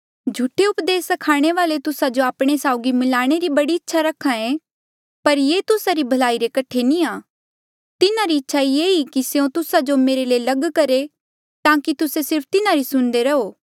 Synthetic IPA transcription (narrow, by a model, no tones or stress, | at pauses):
d͡ʒʱuʈʰːeʊpd̪eːsɐkʰaːɽ̃eʋaːlet̪ʊsad͡ʒoaːpɽ̃esaːʊɡimɪlaːɽ̃eɾibɐɽiɪtːʃʰaɾɐkʰːãẽ | pɐɾjeːt̪ʊsaɾibʱɐlaːiɾekɐʈʰːenĩaː | t̪ɪnaɾiɪtːʃʰaieːikiseõt̪ʊsad͡ʒomeːɾeleːlɐɡkɐɾe | t̪ãːkit̪ʊsesɪɾpʰt̪ɪnaɾisʊ̃nd̪eɾɐɦoː